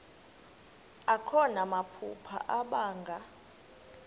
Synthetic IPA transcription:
akʰɔnamapʰṵpʰa̰ʔaɓaːŋɡʱa

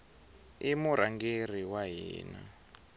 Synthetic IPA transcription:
imuɾ̤aŋɡer̤iwaɦiḭːna̰

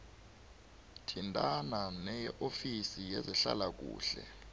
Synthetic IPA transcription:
tʰintʼananɛjɛʔofisijɛzɛɬa̰lak̬ṵːɬɛ̰

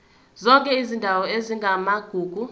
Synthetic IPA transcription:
zɔŋkʼɛizindʱawɔeziŋɡʱamaɡ̥ʱuːɡ̥ʱu

